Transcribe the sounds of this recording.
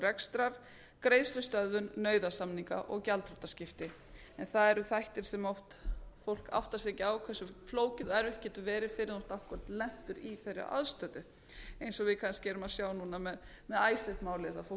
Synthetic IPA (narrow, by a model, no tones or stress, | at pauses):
rɛkst̪ɾaɾ̥ | kɾeːjðst̪ʏst̪œððʏnːœːɥðasamniŋka̰ʔɔɣcalt̪ɾɔt̪ascɪft̪ɪ | ɛnθaðɛɾʏθajht̪ɪɾ̥sɛmɔft̪fowl̥ka̰wht̪asɛːcɪawkʰvɛsːʏfloːwcɪðɛɾɪht̪̚cɛːt̪ʏvɛːɾɪ̥fɪɾɪðɔwht̪awhkʏɾat̪lɛm̥t̪ʏɾiθejrɪ̰a̰ðst̪œːt̪ʏ | ejnsɔɣvɪðkʰanscɪɛɾʏmaðsjaːwnuːnamɛð | mɛðajsɛt̪maːwleːðafo